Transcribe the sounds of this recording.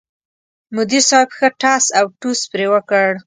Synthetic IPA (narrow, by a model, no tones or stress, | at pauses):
mʊd̪iɾsɑɪbxəʈɑsawʈuspɾewəkəɽ